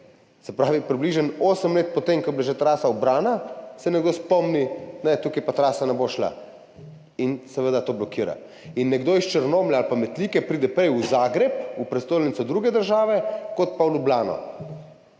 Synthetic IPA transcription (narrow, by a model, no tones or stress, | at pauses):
sɛpɾaːʋipɾibliʒənoːsəmleːt̪̚pɔt̪eŋkɔblaʒet̪ɾaːsaɔbɾaːnasɛnɛɡd̪ospɔmninɛt̪ukipat̪ɾaːsanɛboʃla̰ | insɛʋəd̪at̪oːblɔkiːɾa̰ | inːɛɡd̪oist͡ʃəɾnoːmlʲɛalpamɛt̪liːkɛpɾiːd̪ɛpɾɛjuzaːɡɾɛpupɾɛt̪st̪oːjlnitsɔd̪ɾuɡɛd̪əɾʒaːʋɛkot̪̚pawlublaːnɔ̰